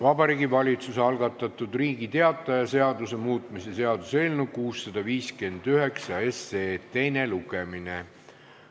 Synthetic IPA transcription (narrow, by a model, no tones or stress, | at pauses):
vɑbɑɾiːɡivɑlʲit̪suseɑlɡ̥ɑt̪ːˑɑt̪ːˑud̪riːɡ̥it̪e̞ɑt̪ːˑɑjɑse̞ɑd̪use̞muːt̪ˑmise̞se̞ɑd̪̥use̞ːlnukuːsːɑd̪̥ɑviːske̞nd̪̥yɦe̞ksɑe̞seːt̪e̞jne̞luɡ̥emine